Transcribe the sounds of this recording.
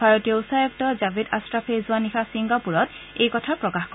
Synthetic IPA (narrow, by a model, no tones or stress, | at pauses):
bʱaɹɔtijɔusajɔk̚tɔzabʱida̰stɹapʰezʊanixasiŋɡapuɹɔtejkɔtʰapɹɔkaxk